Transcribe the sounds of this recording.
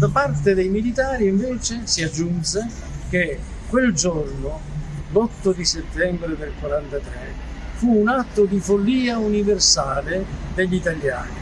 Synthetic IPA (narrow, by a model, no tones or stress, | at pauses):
d̪apart̪ed̪ejmilit̪aːɾiiɱveːt͡ʃesiad͡ʒːunse | k̟e | kːweld͡ʒorno | lɔt̪ːod̪iset̪ːɛmbɾed̪elkwaɾant̪at̪ɾɛ | fuːnat̪ːʊd̪ifolːiːauniversaːlɪd̪eʎːit̪alja̰ːni